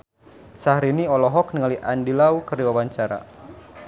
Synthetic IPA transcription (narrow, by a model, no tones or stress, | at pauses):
sahɾiniɔlɔɦɔk̚niŋaliʔandilaukəriwawaɲt͡ʃaɾa̰